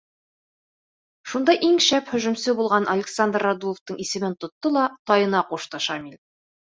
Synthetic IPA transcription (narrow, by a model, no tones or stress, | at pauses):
ʃund̪ɑʔiŋʃæphɵ̆ʒɵ̆msɘbulˠʁɑnʔɐlʲɪksand̪rːad̪uə̆ft̪ɤɴisɘ̆mɘnt̪ŏt̪ːɤlˠɑt̪ɒjɤ̆nɑquʃt̪ɤʃɑmilʲ